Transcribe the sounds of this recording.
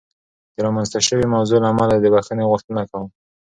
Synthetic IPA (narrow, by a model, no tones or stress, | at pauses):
d̪̥əɾɑmanzt̪aʃəwemawzolaːmalad̪əbaxaneɣʊxt̪ənakawəm